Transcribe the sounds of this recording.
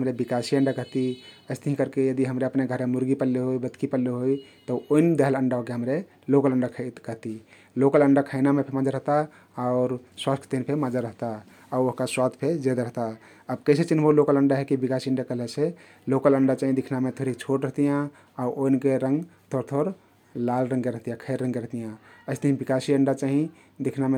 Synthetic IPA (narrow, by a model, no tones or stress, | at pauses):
ɦəmɾebikasiəɳɖakəɦt̪iəɪst̪əɦĩkəɾkejəd̪iɦəmɾeəpneɡʱəɾemuɾɡipəlːeɦoibət̪kipəlːeɦojt̪əoind̪eɦələɳɖakeɦəmɾe | lokələɳɖakʰt̪kəɦt̪i | lokələɳɖakʰajnamepʰemad͡ʒaɾəɦt̪a | aʊɾswast̪ʰət̪inpʰemad͡ʒaɾəɦt̪a | aoɦkaswad̪ʱpʰed͡ʒed̪ɾəɦt̪a | əbkəɪset͡ʃinbolokələɳɖaɦekibikasiəɳɖakəlese | lokələɳɖat͡ʃaɦĩd̪ikʰnamet̪ʰoɾit͡ʃʰoʈɾəɦt̪ijã | aʔoinkeɾə̃ŋɡt̪ʰoɾt̪ʰoɾ | lalɾə̃ŋkeɾəɦt̪ijãkʰəjɾːə̃ŋɡkeɾəɦt̪ijãəɪst̪əɦĩbikasiəɳɖat͡ʃaɦĩ | d̪ikʰname